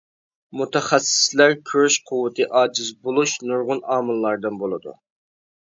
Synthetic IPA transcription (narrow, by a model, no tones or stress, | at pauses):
mut̪ʰɛχæsːɪ̥slæɾkʲʰøɾʃqʰʊwɨt̪ʰɨʔɑːd͡ʒɪzbolˠuʃnuɾʁʊnɑːmɨlˠːɑɾd̪ɨnbolˠɨd̪ṵ